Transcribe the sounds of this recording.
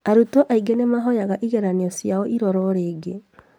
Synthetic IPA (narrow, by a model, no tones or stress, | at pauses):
aɾutɔʔaiɡenemaɦɔjaɣaʔiɣɛɾaniɔsjaɔʔiɾɔɾɔɾeːɡe